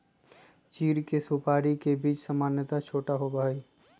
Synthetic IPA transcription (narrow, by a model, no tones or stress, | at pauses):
t͡ʃiːɾkesupaːɾikebiːt͡ʃsəmaːnjət̪at͡ʃʰoːʈaɦobəɦəi